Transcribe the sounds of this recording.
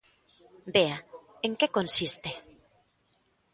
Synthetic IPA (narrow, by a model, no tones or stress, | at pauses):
bea | eŋkekonsist̪e